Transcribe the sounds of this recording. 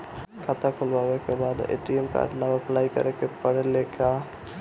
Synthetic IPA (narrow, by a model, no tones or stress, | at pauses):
kʰat̪ʰakʰolbawekebad̪ḛʈiemka̰ɖnaəplaːjkə̰ɾekepəɽeleka